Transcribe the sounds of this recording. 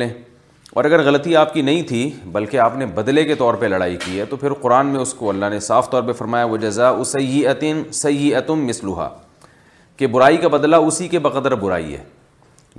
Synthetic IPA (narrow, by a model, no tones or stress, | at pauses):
ẽ | ɔ̰ːɾɐɡəɾɣɐlət̪iaːp̚kinɐɦĩt̪ʰibɐlkeaːpnebɐd̪leket̪ɔːɾpɐlɐɽa̰ːikiɦɛt̪opʰɪɾqʊɾaːnmẽʊskoɐlːaɦnesaːft̪ɔːɾpɐɾfɐɾmaːjaʋɐd͡ʒɐzaʊsɐjɪʔət̪ɪsɐjːɪət̪ʊmːɪsluɦa̰ː | kebʊɾaːikabɐd̪laʊsikebɐqəd̪əɾbʊɾa̰ːḭɦɛ̰ː